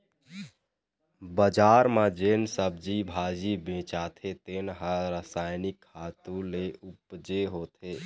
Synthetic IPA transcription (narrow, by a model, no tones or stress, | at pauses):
bəd͡ʒaɾmed͡ʒensəb̚d͡ʒibʱad͡ʒibẽt͡ʃat̪ʰet̪enɦəɾəsaɪnikʰhat̪ũleʔupd͡ʒeɦot̪ʰe